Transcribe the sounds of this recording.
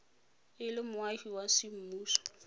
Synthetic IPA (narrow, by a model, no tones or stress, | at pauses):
ɪlɪmʊahiwasɪm̩muːsɔ̥